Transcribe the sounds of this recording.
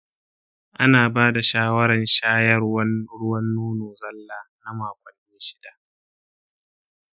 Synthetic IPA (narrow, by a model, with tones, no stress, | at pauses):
ʔa˦naː˨baː˦da˨ʃaː˦wɐ˦ɾɐ˨nʃaː˦jɐ˦rwɐ˦nɽʊ˦wɐ˦nːuː˦noː˨zɐ˦lːaː˦na˦maː˨kʷɐ˨nmeː˦ʃɪ˦da˨ʔ